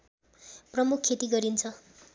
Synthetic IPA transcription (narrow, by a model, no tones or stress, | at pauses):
prʌmukʰːet̪iɡʌɾint͡sʰʌ